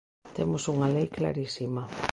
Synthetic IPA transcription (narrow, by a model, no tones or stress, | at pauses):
t̪emʊsuŋalejkla̰ɾisimɐ